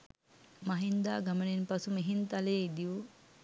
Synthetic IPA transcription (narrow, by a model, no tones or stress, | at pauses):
maɦind̪aːɡamənenpasumeɦint̪aleːid̪iʋu